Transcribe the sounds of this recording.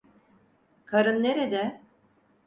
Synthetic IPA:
kʰaɾɯnːeɾed̪ɛ

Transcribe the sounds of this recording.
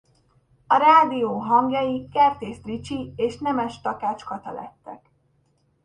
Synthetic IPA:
ɒɾaːd̪ioːɦɒŋɡjɒjikɛrt̪eːst̪rit͡ʃieːʃnɛmɛʃt̪ɒkaːt͡ʃkɒt̪ɒlɛ̰t̪ːɛk

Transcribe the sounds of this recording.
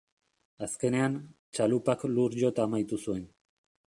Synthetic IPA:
aske̞ne̞an | t͡ʃalupakluɾʝo̞t̪aːmajt̪usue̞n

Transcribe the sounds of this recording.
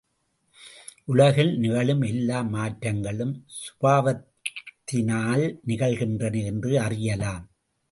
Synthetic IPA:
ʔʊɭɐɣɪlnɪɣɐɭɯmɛlːaːmaːʈrɐŋɡɐɭɯmsʊ̥baːʋɐt̪t̪ːɪnaːlnɪɣɐɭɣɪndrɐnɯɛndrɯɐrɪjɐlaːm

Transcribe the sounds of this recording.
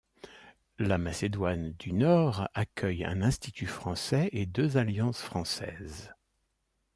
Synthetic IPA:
lamased̪wand̪ynɔʁakʲʰœjɛ̰̃nɛ̃st̪it̪ʰyfχɑ̃sɛed̪øzaljɑ̃sfχɑ̃sɛ̰ːz

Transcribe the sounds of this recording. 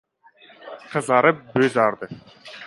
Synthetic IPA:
qʰə̆zɑɾəp̚bøzɑɾd̪ə

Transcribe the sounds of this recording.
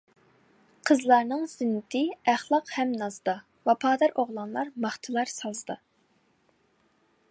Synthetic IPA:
qʰəzlˠɑɾnɨŋzɪnːɪt̪ʰɪæχlˠɑqhɛmnɑzd̪ɑ | vɑpʰɑːd̪ɑɾʔoʁlˠɑnlˠɑɾmɑχt̪ʰɨlˠɑɾsɑlˠzd̪ɑ

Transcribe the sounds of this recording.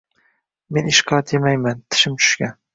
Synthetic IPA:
menɪʃqʰɑt̪ʰemajmant̪ʰɪ̥ʃɪmt͡ʃʰʊ̥ʃkʲan

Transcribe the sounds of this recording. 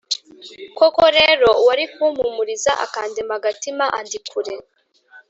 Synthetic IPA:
koko̞ɾe̞ɾo̞waɾikumumuɾiza̰ʔa̰kaːndemaɡatimaʔandikʰuɾe̞

